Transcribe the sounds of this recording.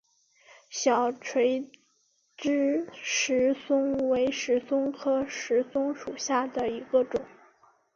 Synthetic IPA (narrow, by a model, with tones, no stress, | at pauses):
ɕjɑ˨˩ʊʈ͡ʂʰwe˧˥ɪ | ʈ͡ʂɻ̩˥ʂɻ̩˧˥sʊ˥ŋwe˧˥ɪʂɻ̩˧˥sʊ˥ŋkʰɤ˥ʂɻ̩˧˥sʊ˥ŋʂu˨˩ɕja˥˩d̪ə˩i˧˥ɡə˧ʈ͡ʂʊ˨˩˦ŋ